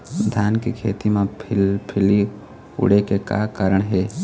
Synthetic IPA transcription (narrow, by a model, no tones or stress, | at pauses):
d̪ʱaːnkikʰeːt̪imẽpʰɪli | ʊ̰ɽekeka̰ːkaːɾəɳɦɛː